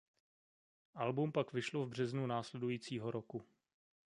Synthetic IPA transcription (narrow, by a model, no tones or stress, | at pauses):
ʔalbumpakvɪʃlovbr̝ɛznunaːslɛdujiːt͡siːɦoɾoku